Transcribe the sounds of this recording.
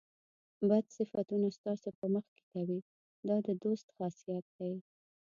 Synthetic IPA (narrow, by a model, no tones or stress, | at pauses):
bad̪sɪfat̪unast̪ɑsopəməxke̥kawi | d̪ɑd̪əd̪ost̪xɑsijat̪̚d̪aj